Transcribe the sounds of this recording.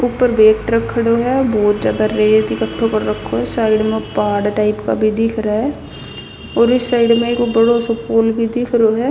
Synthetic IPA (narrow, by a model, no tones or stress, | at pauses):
ʊpːəɾbeːkʈɾəkʰːəɽoɦɛːbɔːt̪zjaːd̪aɾeːd͡ʒt̪ikəʈʰːõkəɾːəkʰːoɦɛsaːɪɖmẽpaːɖʈaːɪpka̰bʱid̪ɪkʰɾaɦɛ | ɔːɾɪsːaːɪɖmẽkobəɽosopoːlbʱid̪ɪkʰɾoɦɛː